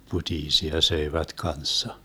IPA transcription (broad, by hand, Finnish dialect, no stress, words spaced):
putiːsiɑ søiʋæt kɑnsːɑ